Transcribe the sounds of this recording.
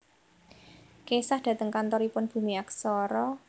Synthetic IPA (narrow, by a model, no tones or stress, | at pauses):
kesahd̪̥ä̤t̪əŋkant̪ɔɾipʊnb̥ṳmiaksɔɾɔ